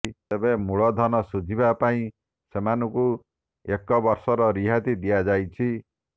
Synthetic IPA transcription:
t̪ebẽmuɭɔd̪ʱɔnɔsud͡ʒʱibapaĩ | semanuku | ekːɔbʌɾsɔɾɾiɦat̪id̪ijad͡ʒajt͡ʃʰi

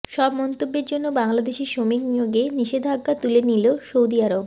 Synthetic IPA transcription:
ʃɔbmɔnt̪obːeɾd͡ʑonːobaŋlad̪eʃeɾʃomiknijoɡeniʃed̪ʱaɡːat̪uleniloʃowd̪iaɾob

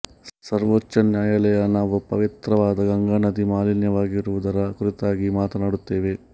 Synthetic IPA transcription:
sɐɾʋɔt͡ʃːɐnjaːjɐlɛjɐnaːʋupɐʋit̪ɾɐʋaːd̪ɐɡɐŋɡaːnɐd̪imaːlinjɐʋaːɡiɾuʋud̪ɐɾɐkuɾit̪aːɡimaːt̪ɐnaːɽut̪ːe̞ːʋe̞

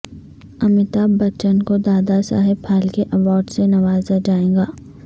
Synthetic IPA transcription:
ɐmɪt̪aːbːɐt͡ʃənkod̪aːd̪asa̰ːɦɪbpʰaːlkeʔɐʋɔːɾɖsenɐʋaːzad͡ʒaːẽːɡaː

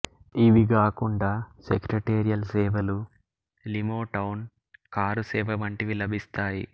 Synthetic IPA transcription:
iʋiɡaːkuɳɖaːsekɾɐʈeːɾijɐlsɛːʋɐlu | limoːʈɐwn | kaːɾusɛːʋɐʋɐɳʈiʋilɐbʱist̪aːjḭ

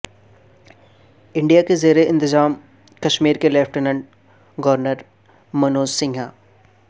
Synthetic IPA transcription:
ɪ̃ɳɖijakezeːɾeɪ̃nt̪ɪzaːm | kɐʃmiːɾkelɛːfʰʈenə̃ɳɖ̚ | ɡɔʋɾnəɾ | mɐnoːzsɪ̃ŋɡʱaː

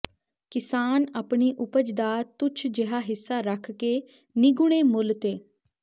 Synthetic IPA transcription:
kɪsaːnaːpɳiːʔʊpəd͡ʒd̪aːt̪ʊt͡ʃʰd͡ʒeɦaːɦɪsːaːɾəkʰkeː | niɡʊɽ̃eːmʊlt̪eː

